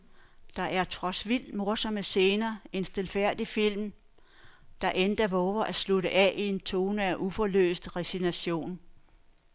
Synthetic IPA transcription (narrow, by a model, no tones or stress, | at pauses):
d̥ɑ̈ʔæɐt͡sʰʁɒ̽sʋil̰d̥mo̝ɐsɒ̽məse̝ːnɐːe̝nsd̥e̝lfæɐ̰d̥ifil̰m | d̥ɑ̈ʔend̥ɐʋɔːʋɐʔæsluɾəʔɛʔie̝nt͡sʰo̝ːnəæʔufɒlø̰ːsd̥ʁɛsinæɕo̝̰ːn